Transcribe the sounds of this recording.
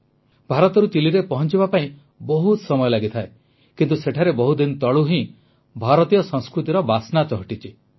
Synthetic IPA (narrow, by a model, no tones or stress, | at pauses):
bʱaɾɔt̪ɔɾut͡ʃiliɾepɔɦɔnt͡ʃibapaĩ | bɔɦut̪sɔmɔjɔlaɡit̪ʰae | kint̪useʈʰaɾebɔɦud̪int̪ɔɭuɦĩ | bʱaɾɔt̪ijɔsɔ̃ŋskɾut̪iɾɔbasnat͡ʃɔɦɔʈit͡ʃʰi